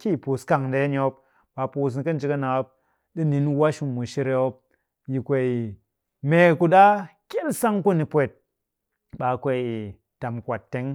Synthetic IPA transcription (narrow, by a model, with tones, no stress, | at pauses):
kʲi˦˨pu˨ska˨ŋ˨de˨˦n˧o˧˦p | ɓa˧pu˧s̬ni˧kɐ˦n̩˦t͡ʃi˧˦ka˦na˨o˦p̚ | ɗi˦ni˨˦n˦wa˦ʃu˧mːu˨ʃi˧ɾe˧o˦p̚ | ji˨kʷe˧i˨ | me˧˨ku˧ɗa˦kʲe˦lsa˦ŋku˦ni˧pʷe˨t̚ | ɓa˨kʷe˧˨i˨ | ta˨mkʷa˨tːe˦ŋ